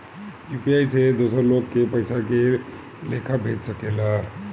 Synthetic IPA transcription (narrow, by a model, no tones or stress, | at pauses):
jupiajsed̪osəɾlokːepəɪsake | lekʰabʱet̪səkela